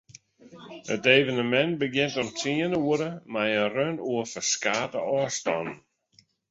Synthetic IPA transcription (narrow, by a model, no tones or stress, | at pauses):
əteːvənəmɛnbəɡjɪntɔntʰiənəuəɾəmajərønuəfəskaːtə̰ɔːstɔ̰nn̩